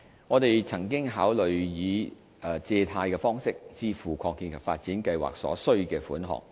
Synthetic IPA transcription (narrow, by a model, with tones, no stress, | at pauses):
ŋɔː˨˧t̪e˨jt͡sʰɐ˨˩ŋk̬ɪ˥ŋɦaː˨˥wlɵ˨ɥjiː˨˧˨ | t͡sɛː˧t̪ʰaː˧jkɛː˧fɔː˥ŋsɪ˥k̚t͡siː˥fuː˨˩kʰɔː˧ŋkiː˧nkʰɐ˨˩wfaː˧t̚t͡siː˨˥nkɐ˧jwa̰ː˨k̚sɔ̰ː˨˥sɵ˥ɥkɛː˧fuː˨˥nɦɔ̰ː˨k̚